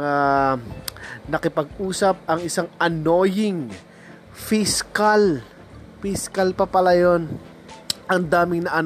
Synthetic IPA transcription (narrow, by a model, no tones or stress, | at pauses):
a | nɐkɪpɐɡ̚ʔuːsɐp̚ʔɐŋɪsaŋɐno̞ːjɪŋ | fiskal | fiskalpɐpɐlajo̞n | ʔɐŋd̪aːmɪŋnɐʔan